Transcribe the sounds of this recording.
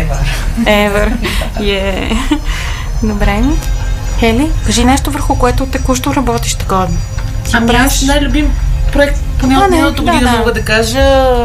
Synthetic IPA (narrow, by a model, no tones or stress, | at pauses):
vəɾɛvəɾijɛ | nobɾɛnixɛlikɐʒinɛʃt̪ovəɾxʊkoɛt̪ʊt̪ɛkuʃt̪oɾɐbɔt̪i̥ʃt̪ɡɔd̪no | sapɾasnajlʲʊbimpɾoɛk̚t̪ponɛanɛt̪omimɔɡəd̪ɐkaʒə